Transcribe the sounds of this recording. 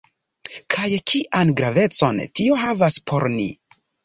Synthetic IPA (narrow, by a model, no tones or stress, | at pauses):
kʰajkʰiʔanɡɾave̞t͡so̞ntio̞ɦavaspʰo̞ɾnḭ